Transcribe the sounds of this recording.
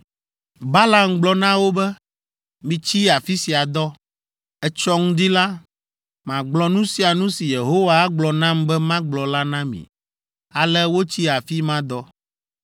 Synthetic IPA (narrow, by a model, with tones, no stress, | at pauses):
ba˦la˨mɡ͡blɔ˨nã˦wo˦bɛ˦ | mĩ˨t͡ɕi˦a˨fi˦si˨a˨d̪ɔ˦ | ɛ˦t͡ʃɔ˦ŋũ˦d̪i˦la˦ | mã˨ɡ͡blɔ˨nũ˦si˦a˨nũ˦si˨je˨ɦo˦wa˦a˦ɡ͡blɔ˨nã˦mbɛ˦mã˦ɡ͡blɔ˨la˦nã˦mḭ̃˨ | a˨lɛ˦wo˦t͡ɕi˦a˨fi˦mã˦d̪ɔ˦